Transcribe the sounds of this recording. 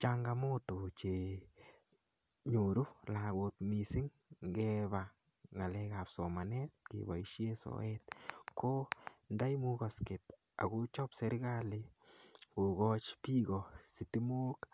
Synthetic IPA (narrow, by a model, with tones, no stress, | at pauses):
t͡ʃaŋɡamoto˨t͡ʃe˨ | ɲo˨ɾu˦laɡotmi˨sɪ˦ŋ | ɡɛba | ŋa˨lɛkapsɔma˨nɛt̚kḛba˨iʃjeso̰ɛtkʰo˦nda˦jmuka˨ske˨t | a̰˨ɣu˦t͡ʃɔpse˦ɾɡali˨ko˨ɡɔ˦t͡ʃpiɡɔsɪ˨ti˦mo˦k